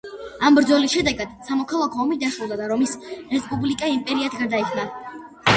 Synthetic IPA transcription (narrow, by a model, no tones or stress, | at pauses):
ambɾd̪zɔlisʃɛd̪ɛɡad̪̥samɔkʰalˠakʰɔːmid̪aʃɾulˠd̪ad̪aɾɔmisɾɛspʼublikʼaimpʼɛɾiat̪ʰɡaɾd̪aikʰna